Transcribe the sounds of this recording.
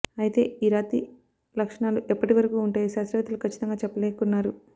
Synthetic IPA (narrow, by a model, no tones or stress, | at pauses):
ɐjit̪e̞̰ːiːɾaːt̪i | lɐkʂɐɳaːluʔɛpːɐʈiʋɐɾɐkuːuɳʈaːjiʃaːsɾɐʋɐt̪ɐlukʰɐt͡ʃːi̥t̪ɐŋɡaːt͡ʃɛpːɐleːkɐkunːaːɾu